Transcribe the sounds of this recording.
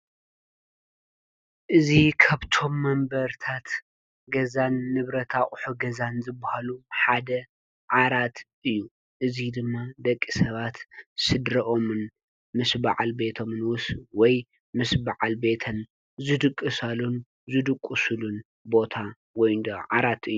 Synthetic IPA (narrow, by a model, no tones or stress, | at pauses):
ʔɨzikʰaβt̪ʰo̞mːɐmbɐɾt̪ʰat̪ | ɡɐzanːɨβɾɐt̪ʰaχʼħuɡɐzanzɨbːahaluħad̪ɐ | ʕaɾat̪ʔɨjːu | ʔɨzid̪ɨmːad̪ɐkʼːisɐβat̪sɨd̪ɾɐʔo̞mɨn | mɨsbaʕalbe̞t̪ʰo̞mɨnwʊswɔj | mɨsbaʕalbe̞t̪ʰɐn | zɨd̪ɨkʼːɨsalun | zɨd̪ɨkʼːusulun | bo̞t̪ʰa | wɔjnd̪ɐʕaɾat̪ɨjːu